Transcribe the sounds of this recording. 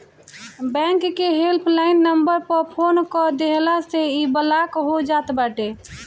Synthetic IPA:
bɛ̃ŋkːeɦelpʰlaɪnːəmbəɾpəɾpʰonkɔd̪eɦlaseibəlakɦod͡ʒat̪baʈe

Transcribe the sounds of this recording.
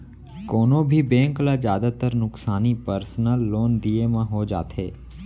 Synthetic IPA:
koːnõbʱibẽːŋklad͡ʒjaːd̪at̪əɾnʊksaːnipəɾsnəlːoːnd̪iemãɦod͡ʒa̰ːt̪ɦḛː

